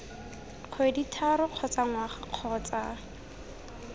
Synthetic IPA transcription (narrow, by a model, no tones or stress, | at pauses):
q͡χʰweditʰaɾʊq͡χʰɔt͡saŋwaχaq͡χʰɔt͡sa